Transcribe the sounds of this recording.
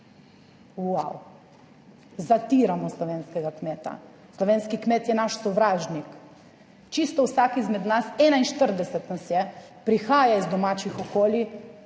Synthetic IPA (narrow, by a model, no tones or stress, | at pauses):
waw | zat̪iɾamɔslɔʋeːnskɛɡakmeːt̪a̰ | slɔʋeːnskikmeːt̪jɛnaʃsɔʋɾaːʒnik | t͡ʃist̪ɔwsakizmɛd̪nasɛːnainʃt̪əɾd̪ɛsɛt̪nasjɛ | pɾixaːjaizd̪ɔmat͡ʃixɔkoːli